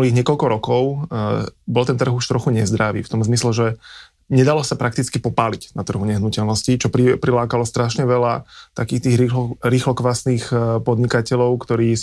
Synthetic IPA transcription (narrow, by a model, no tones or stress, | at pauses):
uliːɣɲɪɛkɔʎkɔɾɔkɔʊ | bɔlt̪ɛnt̪r̩ɣuʃt̪ɾɔxuɲɛzd̪ɾaʋḭːft̪ɔmzmislɛʒɛ | ɲɛd̪alɔsapɾʔak̚t̪it͡skipɔpaːlicnat̪r̩ɦuɲɛɦnucɛlnɔscit͡ʃɔipɾilaːkalɔst̪ɾaʃɲɛʋɛlat̪akiːxt̪iːɣiɾiːxlɔkʋasniːxpɔd̪ɲikacɛʎɔʊkt̪ɔɾiː